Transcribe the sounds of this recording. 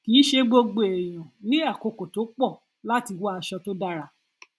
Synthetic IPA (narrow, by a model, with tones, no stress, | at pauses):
kiː˨˦ʃe˧ɡ͡bo˧ɡ͡be˨e˨j̃ã˨nĩ˦a˦˨ko˧ko˨to˨˦k͡pɔ˦˨ | la˦ti˧wa˦a˧ʃɔ˧to˦da˦ɾa˦˨